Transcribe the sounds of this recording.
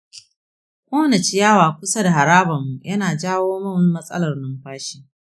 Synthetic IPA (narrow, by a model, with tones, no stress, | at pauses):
kʷʼoː˦nɐ˨t͡ʃɪ˦jaː˦waː˨kʷʊ˦sɐ˦da˨ɦa˨ɾaː˦bɐ˨mːu˨jʔɐ˦naː˨d͡ʒaː˦woː˦mɐ˦n˦mɐ˦sʼɐ̰˦lɐ˨rnɐ˦mɸaː˦ʃi˦